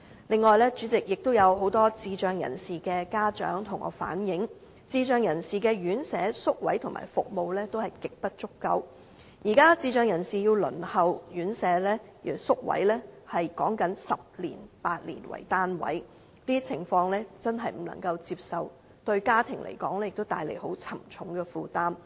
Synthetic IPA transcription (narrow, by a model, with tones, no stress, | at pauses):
lɪ˨ŋːɔː˨jlɛː˥t͡ʃyː˨˥t͡sɪ˨k̚jɪ˨k̚t̪o˥wjɐ˨˧who˨˥wt̪ɔː˥t͡siː˧t͡ʃœː˨˧ŋjɐ̰˨˩nsiː˨kɛː˧kaː˥t͡ʃœ̰ː˨˥ŋt̪ʰʊ˨˩ŋʔɔ̰ː˨˥fa̰ː˨˥njɪ˨˥ŋ | t͡siː˧t͡ʃœː˨˧ŋjɐ˨˩nsiː˨kɛː˧jyː˨˥nsɛː˨˥sʊ˥k̚wɐ̰˨˥jt̪ʰʊ˨˩ma̰ː˨jfʊ˨k̚mo˨˧wlɛː˥t̪o˥whɐ˨jkɪ˨k̚pɐ˥t̚t͡ʃʊ˥kːɐ̰˧w | jiː˨˩kaː˥t͡siː˧t͡ʃœː˨˧ŋjɐ˨˩nsiː˨˩jiː˧wlɵ̰˨˩nhɐ˨wjyː˨˥nsɛː˨˥lɛː˥˨sʊ˥k̚wɐ̰˨˥jlɛː˥hɐ˨jkɔː˨˥ŋkɐ˨˥nsɐ˨p̚lḭː˨˩npaː˧t̚lḭː˨˩nwɐ̰˨˩jt̪aː˥nwɐ̰˨˥j | t̪iː˥t͡sʰɪ˨˩ŋfɔː˧ŋlɛː˥t͡sɐ˥nɦɐ˨jm̩˨˩nɐ̰˨˩ŋkɐ˧wt͡siː˧p̚sɐ˨w | t̪ɵ˧ɥkaː˥t̪ʰɪ˨˩ŋlʔḛ˨˩jkɔː˨˥ŋlɛː˥jɪ˨k̚t̪o˥wt̪aː˧jlḛ˨˩jho˨˥wt͡sʰɐ˨˩mt͡ʃʰʊ˨˥ŋkɛː˧fuː˨˧t̪aː˥m